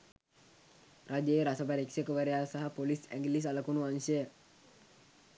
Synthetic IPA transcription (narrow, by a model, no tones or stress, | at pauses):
rʔad͡ʒeɾasəpaɾeksəkəʋəɾeasaɦapolisɛ̰ŋɡlis̬aləkunuaɲsəə